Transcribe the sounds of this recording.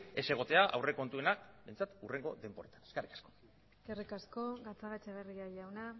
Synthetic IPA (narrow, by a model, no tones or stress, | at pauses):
e̞se̞ɣ̞o̞t̪e̞aʔawre̞ko̞nt̪uenakbejnt͡sat̪ure̞ŋɡo̞ðe̞mpoɾet̪ḁneskarikḁsko̞̥ | eskerikasko̞ɣat͡saɣat͡ʃaβeriaʎawna